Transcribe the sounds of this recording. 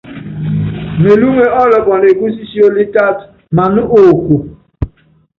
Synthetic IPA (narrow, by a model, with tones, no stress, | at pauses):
me˨lu˦ŋʷe˦ɔ˦lɔ˨kɔ˨ne˨ɡu˦si˦si˦o˦li˦ta˦t | ma˨nʊ˦ʔo˨kʷu˨